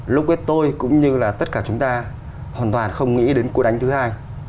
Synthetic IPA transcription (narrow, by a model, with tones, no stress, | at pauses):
lʊ˦˥k͡p̚wi˦˥t̚t̪o˧jkʊ̰˧˥ŋ͡mɲɨ˧laː˨˩t̪ə˦˥t̚kaː˧˩t͡ɕʊ˨˦ŋ͡mt̪aː˧ | hwaː˨˩nt̪waː˨˩nxə˧wŋ͡mŋḭ˧˥ɗe˨˦nkəʔa˨˦ŋ̟t̪ɨ˨˦haː˧j